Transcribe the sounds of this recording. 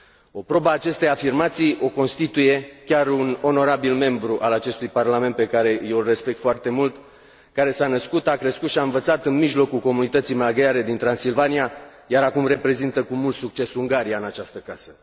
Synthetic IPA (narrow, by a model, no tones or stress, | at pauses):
o̞pɾobaːt͡ʃe̞st̪eafirmat̪sijo̞ko̞nst̪it̪uje̞kʲaruno̞no̞ɾabilme̞mbɾuʔalat͡ʃe̞st̪ujparlame̞nt̪̚pe̞kaɾe̞jewre̞spe̞k̚t̪foart̪e̞mult̪ | kaɾe̞sanəskut̪akɾeskut̪ʃiaɨnvət̪sat̪ɨnmiʒlo̞kulko̞munit̪ət̪sijmaɡaɾe̞d̪int̪ɾansilvanija | jaɾakumre̞pɾe̞zint̪əkumult̪suk̚t͡ʃe̞suŋɡaɾijaɨnat͡ʃast̪əkasə